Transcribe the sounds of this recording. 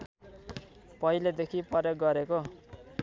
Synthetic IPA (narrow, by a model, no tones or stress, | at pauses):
pʌiled̪ekʰiprʌrjʌk̚ɡʌɾeko